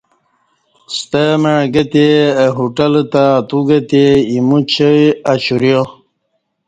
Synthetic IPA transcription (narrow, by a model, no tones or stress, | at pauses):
st̪əməɻɡət̪eɦuʈəlt̪at̪uɡət̪eimut͡ɕʰəjaɕuɾjo